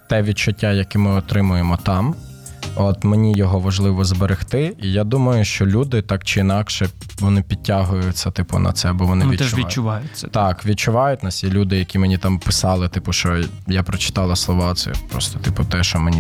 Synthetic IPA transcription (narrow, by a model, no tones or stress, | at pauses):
t̪ɛʋʲid̚t͡ʃʊtʲːajɐkɪmɪɔt̪ɾɪmʊjemɔt̪ɑm | ɔt̪menʲijɔɦɔʋɐʒlˠɪʋɔzbeɾɪxt̪ɪijad̪umɐjʊʃt͡ʃɔlʲud̪ɪt̪ɑkt͡ʃɪinɑkʃɛʋɔnɪpʲid̚ʲtʲːaɦʊjʊtsʲɐt̪ɪpʊ̰nɐ̰t̪sɛɐbɔʋɔnɪit̪t͡ʃɛʊʋʲit͡ʃːʊʋajʊt̪ɑkʋʲit͡ʃʊʋɑjʊtʲnɐsʲjʲilʲud̪ɪjɐkʲimenʲit̪ɑmpɪsɑlˠɪt̪ɪpʊʃt͡ʃɔjapɾɔt͡ʃɪ̥t̪ɑlˠɐslˠɔʋɑt̪sɛ̰pɾɔ̰st̪ɔ̥t̪ɪpʊt̪ɛʃɔmenʲi